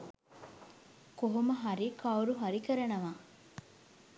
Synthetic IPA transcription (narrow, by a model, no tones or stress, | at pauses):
koɦomɐɦɐɾikʰɐuɾuɦɐɾikəɾɐnɐʋaː